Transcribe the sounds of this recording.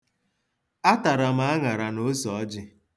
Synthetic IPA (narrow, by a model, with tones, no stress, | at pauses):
a˦ta˨ɾa˨m̩a˦a˦ŋa˨ɾa˨no˦sɔ˨˦d͡ʒɪ˦